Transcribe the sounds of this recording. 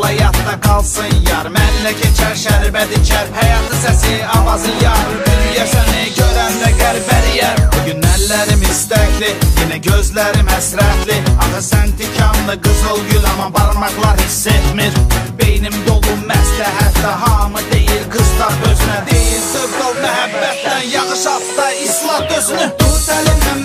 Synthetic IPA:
lˠɑjɑt̪d̪ɑɡɑlˠsɯnjɑɾmænlæcʰit͡ʃʰæɾʃæɾbæd̪it͡ʃʰæɾhæjɑːt̪ʰɯsæsiɑvɑzɯjɑɾbyljæsæniɟød̪ænd̪æɡæɾbæɾijæɾbuɟynːæɾlæɾimist̪æklijenæɟø̞zlæɾimhæsɾæt̪ʰliɑχɯsænt̪ʰicʰɑnlˠɯɡɯzɯlˠɡylɑmɑbɑɾmɑqlˠɑɾhisːet̪miɾbejnimd̪o̞lˠumæslæɦæt̪læɦɑmɯd̪e̞jilɡɯslˠɑχd̪øzlæɾd̪ejilsɯɾd̪olˠmæɦæbːæt̪ʰnænjɑɣɯʃɑt̪d̪ɑislˠɑhd̪øzny

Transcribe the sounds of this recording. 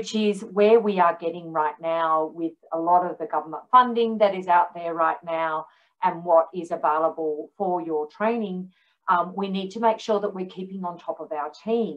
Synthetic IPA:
t͡ʃɪzwə˞wiə˞ɡɛɾɪ̃ŋɹaɪtⁿnaʊwɪðəlɔɾʌvðɨɡʌvə˞mə̃ntfʌ̃ndɪ̃ŋðɨɾɨzaʊt̪̚ðə˞ɹaɪtⁿnaʊ | ʔɨ̃nwʌɾɪzɨveɪlˠəbl̩ˠfə˞jə˞tʰɹ̥ẽɪ̃nɪ̃ŋ | winid̚tʰɨmeɪkʃʊɹðəʔ̚wɨɹkʰipɪ̃ŋə̃ntʰɔpʌvaʊə˞tʰĩm

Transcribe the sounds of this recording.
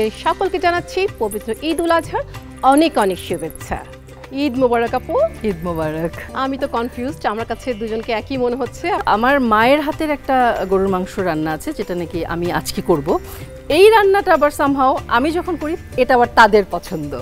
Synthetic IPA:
eʃɔkolked͡ʑanatːɕʰipobit̪ːɾoʔid̪ulad͡ʑʱaɾ | ɔnekɔnekʃubet̪ːɕʰa̰ | id̪mobaɾakapoid̪̚mobaɾakamit̪okɔnfjuzʈamaɾkat͡ɕʰed̪ud͡ʑonkeɛkimoneɦotːɕʰeaʔa̰maɾmaeɾɦat̪eɾɛk̚ʈaɡoɾumaŋʃoɾːanːaat͡ɕʰed͡ʑeʈanekiʔa̰mia̰d͡ʑkekoɾbo | ejɾanːaʈabaɾsamɦaoa̰mid͡ʑɔkʰonkoɾi | eʈabaɾt̪ad̪eɾpɔt͡ɕʰond̪o

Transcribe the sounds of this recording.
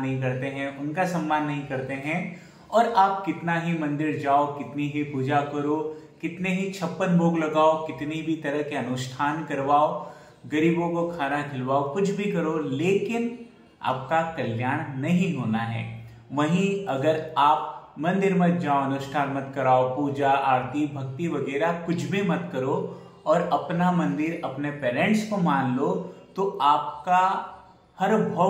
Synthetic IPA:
ɐɦĩkɐɾt̪eɦɛ̃ʔʊnkasɐ̃mːaːnːɐɦĩkɐɾt̪eɦɛ̃ | ɔːɾʔaːp̚kɪt̪naɦimɐ̃nd̪ɪɾd͡ʒaːokɪt̪niɦipuːd͡ʒakɐɾokɪt̪neɦit͡ʃʰɐpːənboːɡlɐɡaːokɪt̪nibʱit̪ɐɾəɦkeɐnʊʃʈʰaːnkɐɾʋaːo | ɡɐɾiːbõkokʰaːnakʰɪlʋaːokʊt͡ʃʰbʱikɐɾoleːkɪn | a̰ːp̚kakɐljaːɽ̃nɐɦĩɦoːnaɦɛ̰ː | ʋɐɦĩɐɡəɾaːp̚mɐ̃nd̪ɪɾmɐ̃t̪d͡ʒaːoɐnʊʃʈʰaːnmɐt̪kɐɾaːopuːd͡ʒaaːɾt̪ibʱɐkt̪iʋɐɡɛːɾakʊt͡ʃʰbʱimɐt̪kɐɾo | ɔːɾɐpnamɐ̃nd̪ɪɾɐpnepɛːɾɛ̃ɳʈskomaːnlot̪oaːp̚ka | hɐɾbʱɐ

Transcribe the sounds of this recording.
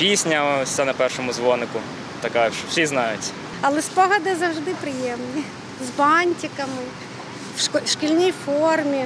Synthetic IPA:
pʲisʲnʲɐsʲɐnɐpɛrʃɔmʊzʋɔnɪkʊ | t̪ɐkaʃt͡ʃɔwsʲiznɑjʊtʲ | ɐlˠɛspɔɦɐd̪ɪzɐwʒd̪ɪpɾɪjɛmni | zbɑnʲtʲikɐmɪ | ʃkʲilʲnʲijfɔrmʲi

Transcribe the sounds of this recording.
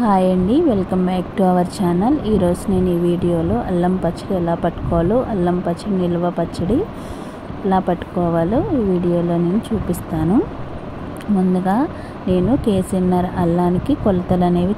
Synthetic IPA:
haːjɐɳɖiʋelkɐmbaːkʈuɐʋɐɾt͡ʃaːnɐliːɾo̞ːd͡ʒune̞ːnuiːʋiːɽijo̞ːloːʔɐlːɐmpɐt͡ʃːɐɽiɛlaːpɐʈːu̥kɔːluʔɐlːɐmpɐt͡ʃːɐɽiniluʋɐpɐt͡ʃːɐɽi | ɛlaːpɐʈːu̥kɔːʋaːluiːʋiːɽijo̞ːlo̞ːne̞ːnut͡ʃuːpist̪aːnu | mund̪uɡaː | ne̞ːnukeːsinːɐɾɐlːaːnikikɔlɐt̪ɐlɐne̞ːʋi

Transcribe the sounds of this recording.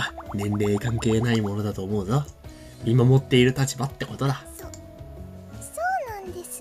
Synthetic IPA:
anẽ̞nɾe̞ːkãŋke̞ːnaimo̞no̞d̪at̪o̞ːmo̞ɯ̟zo | mʲimamo̞t̪ːe̞iɾɯ̟t̪at͡ɕibat̪ːe̞ko̞t̪o̞d̪a

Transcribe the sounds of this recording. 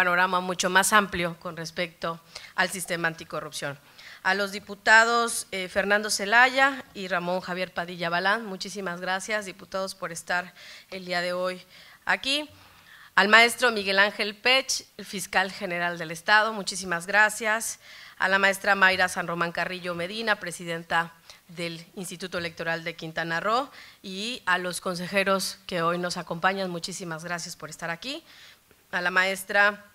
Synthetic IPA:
ano̞ɾamamut͡ʃo̞masampljo̞ko̞nre̞spe̞k̚t̪o̞alsist̪e̞maːnt̪iko̞rupsjo̞n | alo̞zðiput̪að̞o̞sefe̞ɾnãnd̪o̞se̞laʝairamõ̞ŋxaβje̞ɾpaðiʝaβalanmut͡ʃisimazɣɾasjazðiput̪aðo̞spo̞ɾe̞st̪aɾe̞ld̪iaðe̞o̞jaki | almae̞st̪ɾo̞miɣe̞laŋxe̞lpet͡ʃfiskalxe̞ne̞ɾald̪e̞le̞st̪að̞o̞mut͡ʃis̬imazɣɾasjasa̰lamae̞st̪ɾamajɾasanro̞mãŋkariʎo̞me̞ðinapɾe̞siðe̞nt̪aðe̞linst̪it̪ut̪oe̞le̞k̚t̪o̞ɾald̪e̞kint̪anaro̞ialo̞sko̞ns̬e̞xe̞ɾo̞ske̞o̞jno̞sako̞mpaɲanmut͡ʃisimazɣɾasjaspo̞ɾe̞st̪aɾaki | alamae̞st̪ɾa

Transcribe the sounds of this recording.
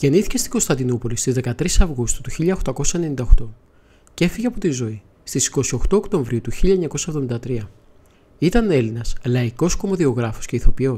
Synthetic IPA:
ʝe̞niθi̥ce̞st̪i̥ɡo̞st̪ɐnd̪inupo̞list̪izðe̞kɐt̪ɾisɐvɣust̪u̥t̪uçiʎɐxt̪ɐko̞sɐenenind̪ɐoxt̪o̞ | ce̞fiʝeɐpot̪izo̞i | st̪isi̥ko̞sio̞xt̪o̞ːkt̪o̞ɱvɾiut̪uçiʎɐeɲɐkosɐevðo̞mind̪ɐt̪ɾiɐ | it̪ɐne̞linɐslɐiko̞sko̞mo̞ðio̞ɣɾɐfo̞̥sce̞iθo̞pio̞

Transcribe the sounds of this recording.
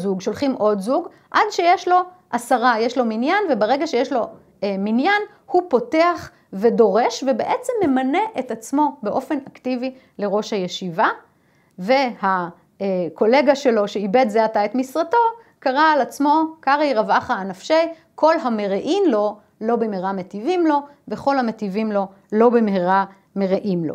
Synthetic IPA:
zuɡʃo̞lχimʔo̞dzuɡ | ʔadʃe̞jeʃlo̞ | ʔasaʁajeʃlo̞minjanve̞beʁe̞ɡaʃejeʃlo̞ | minjan | hupo̞te̞aχ | ve̞do̞ʁe̞ʃvebeʔet͡semːe̞mane̞ʔetat͡smo̞beʔo̞fe̞naktivi | le̞ʁo̞ʃhaje̞ʃiva | ve̞ha | ko̞le̞ɡaʃe̞lo̞ʃe̞ibedzeataet̪misʁato̞ | kaʁaːlat͡smo̞kaʁiʁavaχaːnafʃe̞j | ko̞lɦameʁeʔimlo̞ | lo̞bemeʁamet̪ivimlo̞ | veχo̞lhametivimlo̞ | lo̞bemheʁa | meʁeʔimlo̰

